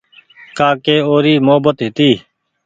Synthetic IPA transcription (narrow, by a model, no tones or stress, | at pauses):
kaːkeːoːɾiːmoɦəbət̪ɦɪt̪iː